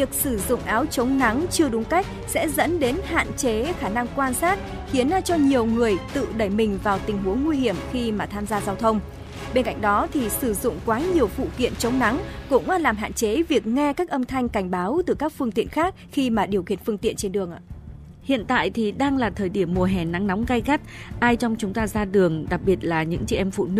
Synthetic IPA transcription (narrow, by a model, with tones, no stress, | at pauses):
vi˨˩ək̚sɨ˧˩zʊ̰˧˨ŋ͡mʔaː˨˦wt͡ɕə˨˦wŋ͡mna˨˦ŋt͡ɕɨ˧əɗʊ˨˦ŋ͡mka˦˥jk̟̚sɛ̰˧˥zə̰˧˥nɗe˨˦nha̰ː˧˨nt͡ɕe˨˦xaː˧˩na˧ŋkwaː˧nsaː˦˥t̚ | xi˨˦ənːaː˧t͡ɕɔ˧ɲi˨˩əwŋɨ˨˩əjt̪ɨ̰˧˨ɗə˧˩jmï˨˩ŋ̟vaː˨˩wt̪ï˨˩ŋ̟ɦu˨˦ənwi˧hi˧˩əmxi˧maː˨˩t̪ʰaː˧mzaː˧zaː˧wt̪ʰə˧wŋ͡m | ɓe˧nka̰˧jŋ̟ɗɔ˨˦t̪ʰi˨˩sɨ˧˩zʊ̰˧˨ŋ͡mkwaː˨˦ɲi˨˩əwfṵ˧˨kḭ˧˨ənt͡ɕə˨˦wŋ͡mna˨˦ŋkʊ̰˧˥ŋ͡mʔa˧laː˨˩mɦa̰ː˧˨nt͡ɕe˨˦vi˨˩ək̚ŋɛ˧kaː˦˥k̚ʔə˧mt̪ʰa˧jŋ̟ka˧˩jŋ̟ɓaː˨˦wt̪ɨ˨˩kaː˦˥k̚fɨ˧əŋt̪ḭ˧˨ənxaː˦˥k̚xi˧maː˨˩ɗi˨˩əwkḭ˧˩ənfɨ˧əŋt̪ḭ˧˨ənt͡ɕe˧nɗɨ˨˩əŋʔa̰ː˧˨˧ | hḭ˧˨ənt̪a̰ː˧˨jt̪ʰi˨˩ɗaː˧ŋlaː˨˩t̪ʰəː˨˩jɗi˧˩əmːu˨˩əɦɛ˨˩na˨˦ŋna˨˦wŋ͡mɣa˧jɣa˦˥t̚ʔaː˧jt͡ɕɔ˧wŋ͡mt͡ɕʊ˨˦ŋ͡mt̪aː˧zaː˧ɗɨ˨˩əŋɗa˨˩k̚ɓi˨˩ət̚laː˨˩ɲɨ̰˧˥ŋt͡ɕɛ̰˧ʔɛ˧mfṵ˧˨nɨ˦˥